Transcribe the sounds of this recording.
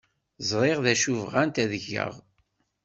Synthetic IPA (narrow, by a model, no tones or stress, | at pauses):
zˤɾˤeʁðæʃuvʁænt̪æðəʝə̰ʁ